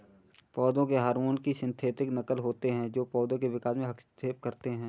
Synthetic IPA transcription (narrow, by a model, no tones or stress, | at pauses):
pɔːd̪õkeɦaːɾmoːnkiʃɪ̃nt̪ʰeːt̪ɪknɐkəlɦoːt̪eɦɛ̃d͡ʒoːpɔːd̪õkeʋɪkaːsmẽɦɐkst̪ʰeːp̚kəɾt̪eɦɛ̃ː